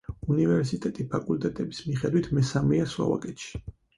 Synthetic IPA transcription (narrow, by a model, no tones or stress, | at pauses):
univɛɾsit̪ʼɛt̪ʼipʰakʼult̪ʼɛt̪ʼɛbismiχɛd̪wit̪ʰmɛsamiaswa̰va̰kʼɛt̪ʃi̥